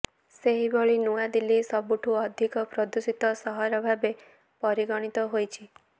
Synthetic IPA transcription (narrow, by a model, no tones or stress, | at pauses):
seɦibɔɭinuad̪ilisɔbuʈʰuɔd̪ʱikɔpɾɔd̪usit̪ɔsɔɦɔɾɔbʱabe | pɔɾiɡɔɽ̃it̪ɔɦojt͡ʃʰi